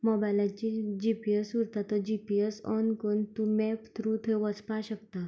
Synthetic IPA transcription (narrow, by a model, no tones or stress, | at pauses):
mɔbajlãt͡ɕid͡ʑipiesuɾt̪at̪əd͡ʑipiesɔ̰nkont̪umɛpt̪ʰɾuːt̪ʰeʋəspaɕəkt̪a